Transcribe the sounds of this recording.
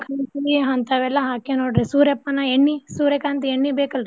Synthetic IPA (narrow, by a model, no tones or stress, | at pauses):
kʰaːnt̪iieɦɐnt̪ɐʋɛlːɐɦaːkenoːɽɾisuːɾepːɐnaeɳːisuːɾekaːnt̪̬ieɳːibeːkɐlɾi